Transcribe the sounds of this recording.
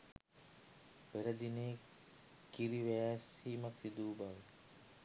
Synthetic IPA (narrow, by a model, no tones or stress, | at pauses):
beɾɐd̪ineː | kiɾiʋejaːsiːmɐksid̪uːbaʋe